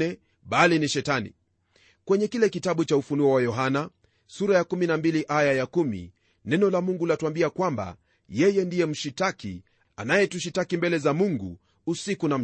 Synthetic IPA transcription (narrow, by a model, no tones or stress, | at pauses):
ɛ | ɓaliniʃɛtanḭ | kwɛɲɛkilɛkitaɓut͡ʃaufunuɔwajɔɦana | suɾajakuminambiliʔajajakumḭ | nɛnɔlamuŋɡulatuambiakwamba̰ | jɛjɛndijɛm̩ʃitakḭ | a̰najɛtuʃitakimbɛlɛzamuŋɡṵ | usikunam̩